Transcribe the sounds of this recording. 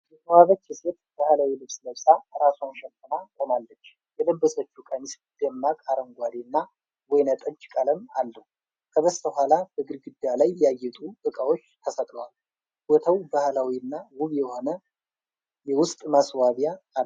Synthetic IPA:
jɛt̪ʰəwaβət͡ʃːjɛset̪̚bahlawilɨβsləβsʼaɾasunʃɛt̪ːənakʼo̞malːət͡ʃː | jɛləbːəsət͡ʃːukʼaɲɪs | d̪̥əmːakʼaɾəŋɡʷad̪enːa | wɔjnət̪ʼəɲt͡ʃkʼələmalːəhu | kʰəbəst̪əhʷalab̥əɡɨɾɡɨd̪jalajːɛajɛt̪ʼuʔɨkʼawo̞t͡ʃːt̪ʰəsət̪ʼləwal | wɔt̪ʰəwbahlawiɨnːawʊβjɛho̞nə | jɛwʊst̪ʼmaswaβjaː

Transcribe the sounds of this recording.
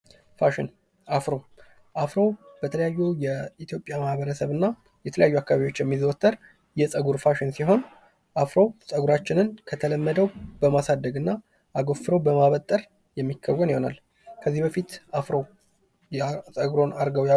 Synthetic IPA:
faʃɪn | afɾo̞ | ʔafɾo̞wb̥ət̪ʰələjajːujɛit̪ʰjo̞pʼjamahβəɾəsəβɨnːa | jɛt̪ʰələjajːuakːaβaβijot͡ʃːjɛmːizwt̪ʰʼːəɾ | jɛsʼəɡuɾfaʃɪnsiɦo̞n | ʔafɾo̞wsʼəɡuɾat͡ʃːɪnɨnkʰət̪ʰələmːəd̪əwbəmasad̪ːəɡɨnːa | ʔaɡo̞fɨɾəwbəmaβət̪ʼːəɾ | jɛmːikʰːəwːəniho̞na̰l | kʰəzːihbəfit̪afɾo | sʼəɡɾo̞naɾɡəwja

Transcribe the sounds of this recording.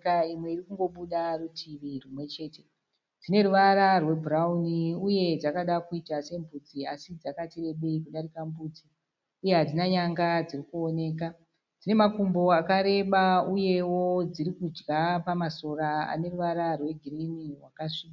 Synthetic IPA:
kaimwe̞irikuŋɡo̞ɓuɗarutʰiʋirumwe̞t͡ʃe̞ːte̞ | d͡zine̞ɾuʋaɾarwe̞bʱurauniuje̞d͡zakaɗakuitase̞mbʱud͡ziasid͡zakatire̞ɓeikuɗaɾikambud͡zi | uje̞ɦad͡zinaɲaŋɡad͡zirikuone̞ːka | d͡zine̞makumbo̞akaɾe̞ɓauje̞wo̞d͡ziɾikud͡ʒɡapamaso̞ɾaa̰ne̞ruʋaɾarwe̞ɡʱirinirwakaʂika

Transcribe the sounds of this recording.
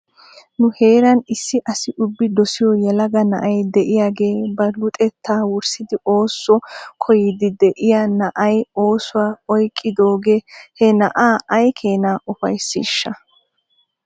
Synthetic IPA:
nʊhe̞ːɾɐnɪsːɪʔɐsɪʔʊbːɪd̪ɔsɪjɔjɛlɐɡɐnɐʔɐjd̪ɛʔɪjaːɡe̞ːbɐlʊt̪ʼɛt̪ːaːwʊɾsɪd̪ɪʔo̞ːsːɔkʰɔjɪd̪ɪd̪ɛʔɪjanɐʔɐjo̞ːsʊwaːɔjkʼːɪd̪o̞ːɡehɛnɐ̰ʔaːʔɐjkʰe̞ːnaːʔʊfɐjsːḭːʃːɐ

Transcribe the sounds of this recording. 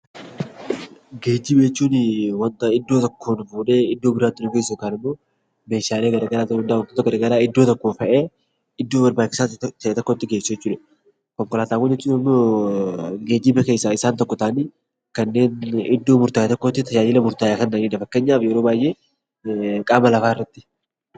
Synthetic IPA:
ɡeːd͡ʒːɪbt͡ʃːuːnwɐnt̪ɐɪd̪ːo̞ːt̪ɔkːonʊfuːᶑeːɪd̪ːo̞ːbɪɾaːt̪ːɪnʊɡesːʊkaːnɪmːo̞ː | me̞ːʃaːle̞ːɡɐɾaːɡɐɾaːt̪ːʊnd̪awnt̪ʊt̪ːɐɡɐdɾɐɡɐɾaːɪd̪ːo̞ːt̪ɔkːo̞ːfɐʔeː | ɪd̪ːo̞ːbɐɾbaːt͡ʃːɪ̥saːtt̪ʰɐʔet̪ɔkːoːt̪ːɪɡe̞ːsːuɛt͡ʃːuːᶑɐ | kɔŋkɔlaːt̪aːkʊd͡ʒɛt͡ʃːuːnɪmːoː | ɡeːd͡ʒɪbɐke̞ːsːaɪsaːnt̪ɔkːɔt̪aːniː | kɐnːe̞ːnɪd̪ːo̞ːmʊɾt̪aːjat̪ɔkːo̞ːt̪ːɪt̪ɐjaːd͡ʒɪlɐmʊɾt̪aːjaːkɐnːaniːd̪ɐfɐkːɐɲːaːbjɛɾo̞ːbaːjʔeː | kʼaːmɐlɐfaːɪrːɐt̪ːɪ̥

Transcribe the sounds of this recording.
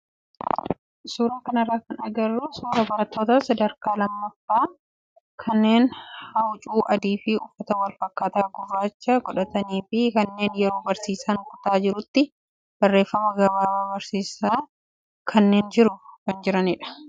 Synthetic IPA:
suːɾaːkɐnɐrːaːkɐnɐɡɐrːʊsuːɾɐbɐɾɐt̪ːo̞ːt̪ɐsɐd̪ɐɾkaːlɐmːɐfːaː | kʰɐnːe̞ːnhɐwt͡ʃʼuːʔɐd̪iːfɪʊfːɐt̪ɐwɐlfɐkːaːt̪aːɡʊrːaːt͡ʃːɐɡɔᶑɐt̪ɐniːfɪkɐnːe̞ːnjɛɾo̞ːbɐɾsiːsankʊt̪aːd͡ʒɪɾʊt̪ːɪ | b̥ɐrːeːfːɐmɐɡɐbaːbaːbɐɾsiːsaː | kʰɐnːeːnd͡ʒɪɾʊkɐnd͡ʒɪɾɐnɪᶑɐ̥

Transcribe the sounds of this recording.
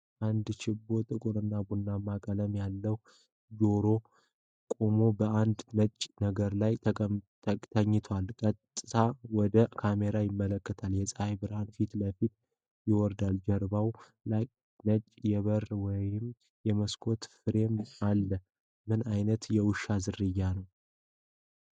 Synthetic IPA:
ʔand̪t͡ʃɪbːo̞t̪ʼɨkʼuɾɨnːabunːamakʼələmjalːəh | d͡ʒo̞ɾo̞ | kʼomo̞bəʔand̪nət͡ʃʼnəɡəɾlajt̪ʰə | t̪ʰəɲːɪt̪ʰwalkʼət̪ʼːɨt̪ʰawɔd̪əkʰameɾajɪmːələkːət̪ʰaljɛsʼajbɨɾhanfit̪ləfit̪ | jɪwɔɾd̪ald͡ʒəɾbaw | laj | nət͡ʃʼjɛβəɾwɔjɪm | jɛməskʰo̞t̪fɨɾe̞malːə | mɨnajnət̪jɛwʊʃːazɨrːɨjːanəw

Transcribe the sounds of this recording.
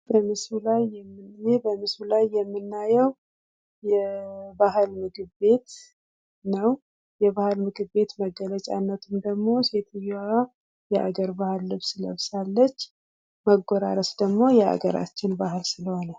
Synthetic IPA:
bəmɨsulajːɛmːɨnjebəmɨsulajːɛmːɨnːajɛw | jɛbaɦlmɨɡɨβbe̞t̪ | nəw | jɛbahɨlmɨɡɨβbe̞t̪məɡːələt͡ʃʼa̰nːət̪ʰumd̪əɡmo̞se̞t̪ʰɨjoa | jɛʔa̰ɡəɾbahɨlːɨβsɨlə̰βsalːət͡ʃː | məɡoɾa̰ɾəsd̪əɡmo̞jɛa̰ɡəɾa̰t͡ʃːɪnbahɨlsɨləhonə

